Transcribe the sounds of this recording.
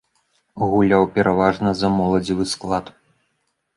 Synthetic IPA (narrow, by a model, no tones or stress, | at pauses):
ɣulʲawpʲɛɾʔavaʐnɐzɐmɔlˠɐd͡zʲivɨsklˠat̪